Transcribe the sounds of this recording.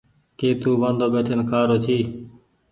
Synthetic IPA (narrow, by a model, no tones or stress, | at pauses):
keːt̪uːʋənd̪ʱoːbeːʈʰənkʰaːɾoːt͡ʃʰiː